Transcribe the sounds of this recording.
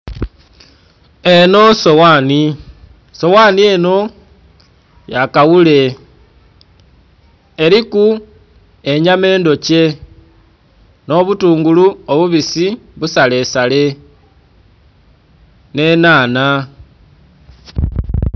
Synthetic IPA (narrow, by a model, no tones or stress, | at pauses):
eno̞sowaːni | so̞waːnie̞no̞ | jakawule̞ | eɾiku | e̞ɲame̞ːndo̞ce̞ | no̞βutuːŋɡuluoβuβisiβusale̞sale̞ | ne̞naːna